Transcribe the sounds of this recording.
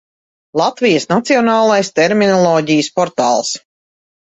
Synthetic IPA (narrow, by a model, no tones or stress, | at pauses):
lˠat̪vijəsnat̪siɔnaːlˠajst̪ɛɾminɔlˠɔːɟijəspɔɾt̪aːlˠs